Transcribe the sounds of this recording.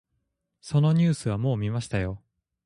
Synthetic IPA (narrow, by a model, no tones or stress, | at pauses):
so̞no̞ɲ̟ʲɨːsɨβamo̞ːmʲimaɕi̥t̪ajo̞